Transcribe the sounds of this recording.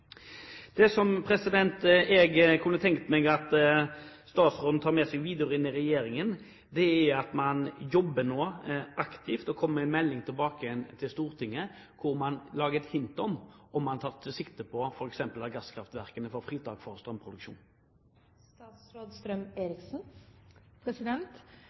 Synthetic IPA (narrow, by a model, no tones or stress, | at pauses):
d̪̥ɛsɔmpʰɾɛsɪd̪ɛnt̪ɛɡkʰʉnːət̪ʰɛŋkt̪əmɛɡɑt̪ | st̪ɑːt̪sʁoːd̪n̩t̪ʰɑːʁmɛsɛɡʋiːd̪ɪʊɾɪnɪɾɛjeːɾɪŋən | d̪ɛæɑt̪mɑnjɔbːənoːɑkt̪ʰɪft̪ɔkʰɔmːæɪnmɛlːɪŋt̪ʰɪlbɑːkəɛnt̪ʰɪlst̪uːɾt̪ʰɪŋːə | kʰʊɾmɑnlɑːɡəɛt̪hɪnt̪ɔmɔmːɑnt̪ʰɑːʁt̪ʰɪsɪkt̪əpʰɔfɔɾɛksɛmpəlɑʁɡɑskʰɾɑft̪ʋæʁkənəfɔɾfʁiːt̪ʰɑːɡ̥fɔɾst̪ɾœmpʰɾʁʊd̪ʉkʃṵːn | st̪ɑsɾoːd̪st̪ɾœmeːɾɪksn̩ | pʰɾɛsɪd̪ɛnt̪